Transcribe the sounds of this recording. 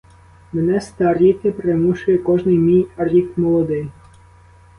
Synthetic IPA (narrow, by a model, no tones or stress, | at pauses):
menɛst̪aɾʲit̪ɪpɾemuʃʊjɛkɔʒnɪjmʲijɐɾʲikmɔlˠɔd̪ɪj